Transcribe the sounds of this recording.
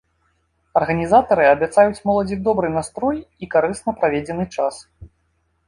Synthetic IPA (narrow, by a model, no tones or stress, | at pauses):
ɐrɣɐnʲizat̪ɐɾɨɐbʲat̪sajut͡sʲmɔlˠɐd͡zʲiɣd̪ɔbɾɨnast̪ɾɔjikaɾɨsnɐpɾavʲed͡zʲɛnɨt͡ʂas